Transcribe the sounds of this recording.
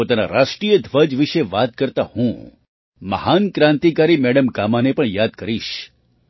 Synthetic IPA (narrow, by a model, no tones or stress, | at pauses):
ot̪ana̰ɾaʂʈɾijəd̪ʱʋəd͡ʒʋiʃeʋat̪kəɾt̪ahũ | mə̰hankɾãnt̪ikaɾimɛɽəmɡamanepəɳjad̪̚kəɾiʃ